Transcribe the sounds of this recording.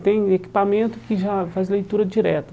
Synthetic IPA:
t̪ẽj̃eki̥pamẽnt̪ʊkɪʒafazlejt̪uɾɐd͡ʒiɾɛt̪ɐ

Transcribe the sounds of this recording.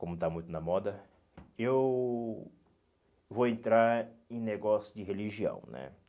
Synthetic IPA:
kõmʊt̪amũt̪ʊnɐmɔd̪ɐ | ew | voẽnt̪ɾaɾẽj̃neɡɔsjʊd͡ʒɪɦeliʒiɐ̰̃w̃nɛ̰

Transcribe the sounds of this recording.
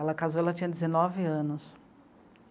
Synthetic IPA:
ɛlɐkazoɛlɐt͡ʃĩɲɐd̪ezenɔvɪɐ̃nʊs

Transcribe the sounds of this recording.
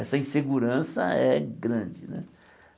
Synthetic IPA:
ɛsɐĩseɡuɾɐ̃sɐ̰ɛɡɾɐ̃d͡ʒɪnɛ̰

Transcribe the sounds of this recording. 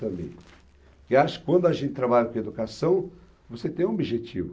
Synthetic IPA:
t̪ɐ̃mḛ̃jt̪ɪ̥ | kɪaʃʊ̥kɪ̥kwɐ̃nd̪ʊaʒẽnt̪ɪ̥t̪ɾabaʎɐkõed̪ukasɐ̃w̃ | voset̪ẽj̃obiʒet͡ʃivʊ

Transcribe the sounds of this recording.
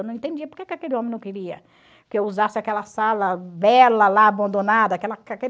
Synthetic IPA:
wnɐ̃ẽt̪ẽd͡ʒiɐpoɾkekɪakelɪõmẽnɐ̃w̃kɪɾiɐ | kɪewuzasɪakɛlɐsalɐbɛlɐlaːbɐ̃nd̪õnad̪ɐakɛlɐake

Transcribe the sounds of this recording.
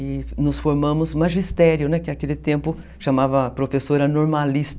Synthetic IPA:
ɪnʊsfoɾmɐ̃mʊzmaʒist̪ɛɾjʊnɛkɪakelɪt̪ẽmpʊ | ʃamavɐpɾofesoɾɐnoɾmalist̪

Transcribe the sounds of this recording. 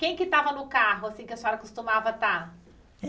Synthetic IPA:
kẽj̃kɪt̪avɐnʊkaɦʊasĩkɪsɪɔɾɐkost̪umavɐt̪a

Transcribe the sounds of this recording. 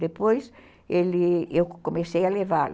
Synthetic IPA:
d̪epojs | elɪewkomesejɐleval

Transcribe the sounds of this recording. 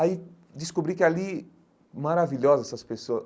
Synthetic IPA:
ai | d̪iskobɾikɪali | maɾaviʎɔzɐɛsɐspesoɐ

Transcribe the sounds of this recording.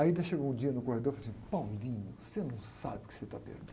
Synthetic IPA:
aĩd̪ɐʃeɡowũd͡ʒiɐnʊkohed̪oɾfalɐsĩɲʊpawlĩɲʊsenɐ̃w̃sa̰bɪʊ̥kɪ̥set̪apḛɾd̪

